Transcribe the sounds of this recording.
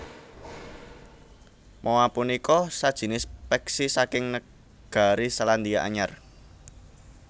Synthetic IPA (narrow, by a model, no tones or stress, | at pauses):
mʔowapunikɔsad̥ʒ̥i̤nɪspɛksisakɪŋnə | ɡ̥a̤ɾisaland̪iaʔa̰ɲar